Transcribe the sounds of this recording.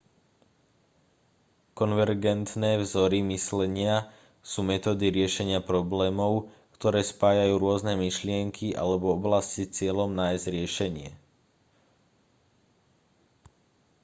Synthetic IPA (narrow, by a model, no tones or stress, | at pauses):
kɔnʋɛɾɡɛnt̪nɛːvzɔɾimislɛɲɪa | suːmɛt̪ɔːd̪iɾɪɛʃɛɲɪapɾɔblɛːmɔʊ | kt̪ɔɾɛːspaːjajuːɾʊɔznɛmiʃlɪɛŋkʰiʔa̰lɛbɔɔblascit͡sɪɛlɔmnaːjzɟɾɪɛʃɛɲɪɛ